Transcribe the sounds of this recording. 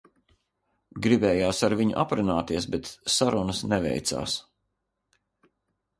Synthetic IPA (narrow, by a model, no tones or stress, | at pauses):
ɡɾibɛːjaːsaɾviɲṵʔa̰pɾunaːt̪iɛsbɛt̪saɾunəsnɛvɛ̰jt̪sa̰ːs